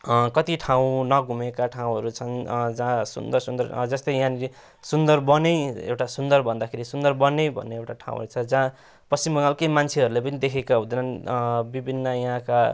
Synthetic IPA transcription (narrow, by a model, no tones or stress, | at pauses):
kʌt̪iʈʰaw̃nʌɡʱumekaʈʰaw̃ɦʌɾut͡sʰʌnd͡zãsṵnd̪ʌrsund̪ʌrd͡zʌst̪ʌjjãni | sund̪ʌrbʌnejḛwʈasund̪ʌrbʱʌnd̪akʰeɾisund̪ʌrbʌnejbʱʌ̰nːeewʈaʈʰã̰w̃ɦʌ̰ɾut͡sʰʌd͡zã | pʌst͡simbʌŋalkʌjmant͡sʰeʌɾulepʌnid̪ekʰekaɦũd̪ʌnʌnbibʱinːʌjʌɦãka